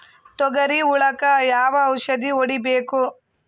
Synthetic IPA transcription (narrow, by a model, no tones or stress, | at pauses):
t̪ɔɡɐɾiuɭɐkɐjaːʋɐːwʃɐd̪ioɽibeːku